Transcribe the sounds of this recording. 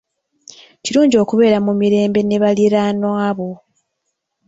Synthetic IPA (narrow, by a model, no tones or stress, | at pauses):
ciɾuːɲɟio̞ːkuβe̞ːɾamumiɾe̞ːmbe̞ne̞βaliɾanwaːβo̞